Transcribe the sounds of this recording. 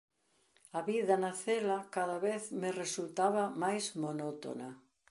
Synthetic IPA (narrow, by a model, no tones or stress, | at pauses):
aβiðɐnaθelakaðaβeθmeresult̪aβamajzmonot̪o̰na